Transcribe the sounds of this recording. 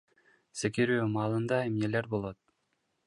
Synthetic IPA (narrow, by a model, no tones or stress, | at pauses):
sekeɾyːmɑːlˠɯnd̪ɑemneleɾbolˠo̞t̪̚